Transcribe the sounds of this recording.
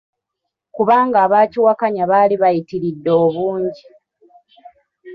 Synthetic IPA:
kuβaːŋɡaːβaːciwakaɲaβaːliβajitiɾidːo̞ːβuːɲɟi

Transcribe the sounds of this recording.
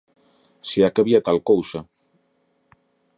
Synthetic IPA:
siakeβiat̪alkowsa

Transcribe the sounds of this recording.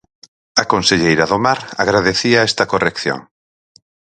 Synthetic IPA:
ɐkonseʎejɾɐðomaɾaɣɾað̞eθiaɛst̪ɐkorekθjo̰ŋ

